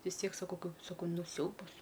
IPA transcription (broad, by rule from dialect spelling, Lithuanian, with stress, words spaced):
ʋʲɪs ˈtʲiɛk sɐˈkɐʊ sɐˈkɐʊ ˈnʊ ˈsʲɛʊbɐs